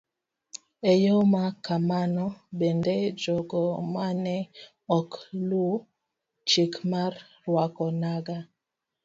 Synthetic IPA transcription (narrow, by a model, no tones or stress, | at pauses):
ejɔmakamanɔbɛndɛd͡ʒɔɡɔmanɛ | ɔklu | t͡ʃikmaɾ | wakɔnaɡa